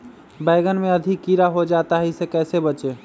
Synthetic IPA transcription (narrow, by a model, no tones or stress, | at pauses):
baɪɡənmẽəd̪ʱikːiɾaɦod͡ʒat̪aɦisekɛːsebət͡ʃe